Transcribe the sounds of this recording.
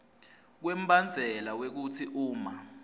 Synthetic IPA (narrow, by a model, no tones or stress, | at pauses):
k̬wem̩bʱand͡zʱɛlawek̬utʰiʔuːma